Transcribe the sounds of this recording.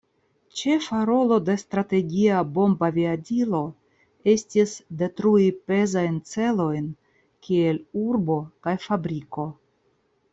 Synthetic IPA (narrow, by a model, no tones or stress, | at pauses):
t͡ʃe̞faɾo̞lo̞de̞stɾate̞ɡʲiabo̞mbaviadilo̞ | e̞stisde̞tɾuipe̞zajnt͡se̞lo̞jn | kie̞luɾbo̞kajfabɾiko̞